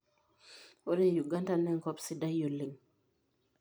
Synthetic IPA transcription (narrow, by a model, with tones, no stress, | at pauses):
ɔ˦de˦ju˨ɡa˦nta˦nɛ˦ŋkɔ˦psi˦da˦jo˨lːi˨ŋ